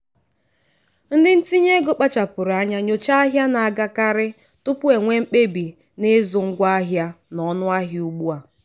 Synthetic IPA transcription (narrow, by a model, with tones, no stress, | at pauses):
n̩˦dɪ˦n̩˦ti˦ɲe˦ɡo˦k͡pa˦t͡ʃa˨pʊ˨ɾa˦ɲa˦ɲo˨t͡ʃa˦a˦ɦja˦na˨a˨ɡa˦ka˦ɾɪ˦ | tʊ˦pʊ˦e˨ŋʷe˦ŋ͡m̩˦k͡pe˦bi˨ | ne˦zʊ˨ŋ̩˦ɡʷa˦a˦ɦja˦ | nɔ˨nʊ˦a˦ɦɪ˨u˦ɡ͡bu˦a˨